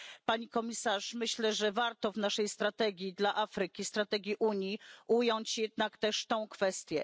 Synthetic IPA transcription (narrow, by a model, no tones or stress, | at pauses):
paɲikɔmʲisaʂmɘɕlɛʐɛvaɾt̪ɔvnaʂɛjst̪ɾat̪ɛɡʲjid̪laʔafɾɘkʲist̪ɾat̪ɛɡʲjiʔuɲjiʔujɔɲt͡ɕjɛd̪̚nakt̪ɛʂt̪ɔ̃w̃kfɛst̪ʲjɛ